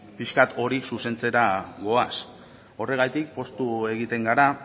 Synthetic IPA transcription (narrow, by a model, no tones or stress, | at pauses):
piʃkat̪ʰo̞ɾiksuse̞nt͡se̞ɾaɣo̞as | o̞re̞ɣ̞ajt̪ik̚po̞st̪ue̞ɣ̞it̪e̞ŋɡaɾa